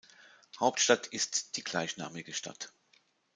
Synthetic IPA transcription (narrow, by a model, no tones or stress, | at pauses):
haʊp̚tʃtatʰɪstd̥iːɡ̥laɪçna̰ːmɪɡəʃta̰t